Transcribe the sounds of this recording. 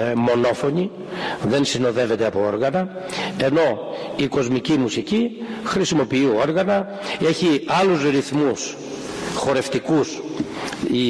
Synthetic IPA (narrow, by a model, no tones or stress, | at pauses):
mo̞no̞fo̞ni | ðe̞nsino̞ðe̞ve̞t̪eɐpo̞o̞ɾɣɐnɐ | e̞no̞ | iko̞zmicimusicixɾisimo̞piio̞ɾɣɐnɐ | e̞çiɐluzɾiθmus | xo̞ɾe̞ft̪ikus | i